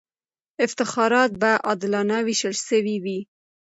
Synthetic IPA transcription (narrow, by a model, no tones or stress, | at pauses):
ɪft̪ɪxɑɾɑt̪̚baʔɑd̪ɪlɑnɑwiʃəlʃəwiwi